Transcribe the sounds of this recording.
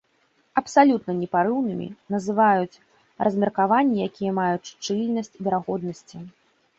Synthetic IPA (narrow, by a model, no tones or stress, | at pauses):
ɐpsalʲut̪nɐnʲɛpaɾɨwnɨmʲḭnɐzɨvajut͡sʲ | rɐzʲmʲɛrkavanʲːijakʲijɐmajut͡sʲt͡ʂɨlʲnɐsʲt͡sʲvʲɛɾaɣɔd̪̚nɐsʲt͡sʲi